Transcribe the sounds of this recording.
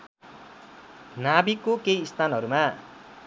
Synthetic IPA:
nabikokejːst̪anɦʌɾuma

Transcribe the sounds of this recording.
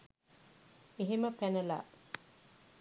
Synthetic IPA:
eɦeməpænɐla̰ː

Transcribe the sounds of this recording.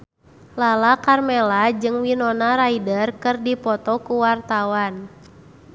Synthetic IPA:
lalakarmɛlad͡ʒɨŋwinɔnaɾaidərkɨrdipɔt̪ɔkuwart̪awan

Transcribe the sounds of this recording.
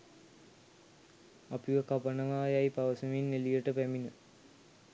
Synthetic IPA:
apiʋəkapənɐŋaːjaipaʋəsuminːelijəʈəpæminə

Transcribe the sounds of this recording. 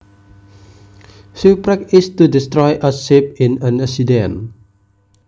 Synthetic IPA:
sipɹɛkɪstudistɹɔjʔəsip̚ĩnãnasidɛ̃n

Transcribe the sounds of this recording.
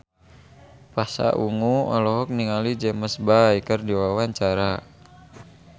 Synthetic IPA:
pasa̰ʔuŋuɔ̰lɔɦɔk̚niŋalid͡ʒɛməsbajkərdiwawaɲt͡ʃaɾa

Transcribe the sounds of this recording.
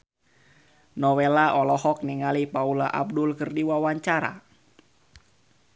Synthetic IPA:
nɔwelaʔɔlɔhɔk̚niŋalipaulaʔa̰b̚dʊlkɨrdiwawaɲt͡ʃaɾa̰

